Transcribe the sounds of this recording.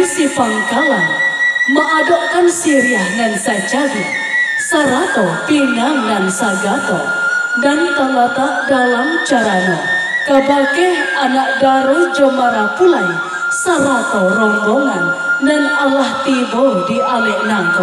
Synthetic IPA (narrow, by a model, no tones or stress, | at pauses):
sipaŋkalanməʔadɔʔkansiɾiahŋansat͡ʃaɡi | saɾat̪ɔp̪inaŋansaɡat̪ɔ̰ | ɡant̪aŋlat̪aʔdalamt͡ʃaɾana̰kəbakaanaʔdaɾod͡ʒɔmaɾapulaj | saɾat̪ɔɾɔmbɔŋandanalaht̪ibɔdiʔalɛʔnant̪ɔ